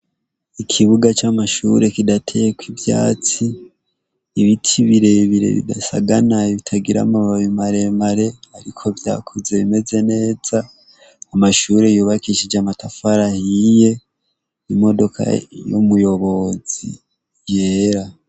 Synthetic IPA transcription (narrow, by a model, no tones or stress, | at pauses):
ikʰiβuɡat͡ʃamaʃuɾe̞kidatʰejekwivja̰ːt͡siː | βitʰiβiɾe̞βiɾe̞̰βḭda̰sa̰ɡanaiβitʰaɡiɾa̰maβaβimaɾe̞maɾe̞haɾikʰo̞vja̰ːkʰoze̞βime̞ze̞ne̞ːz̥aː | maʃuɾe̞juːβakiʃid͡ʒamatafaɾahije̞ | imo̞do̞kʰa̰jo̰mujo̞βo̞zḭ | jeːɾa